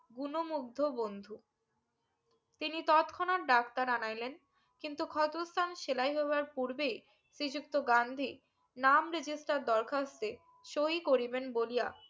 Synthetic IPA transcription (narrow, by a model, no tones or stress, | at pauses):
ɡunomuɡ̚d̪ʱobond̪ʱu | t̪init̪ɔt̪kʰɔnaɾɖakt̪aɾanajlen | kint̪ukʰɔt̪ust̪ʰanʃelajɦoeaɾpuɾbej | sɾid͡ʑuk̚t̪oɡand̪ʱi | namɾed͡ʑisʈaɾd̪ɔɾkʰast̪e | ʃoɦikoɾibenbolija̰